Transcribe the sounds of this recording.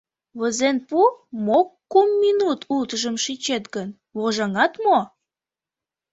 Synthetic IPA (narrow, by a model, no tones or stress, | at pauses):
βəzenpumokːumːinut̪ʰult̪əʒəmʃit͡ɕet̪ɡən | βoʒɑŋɑt̪mo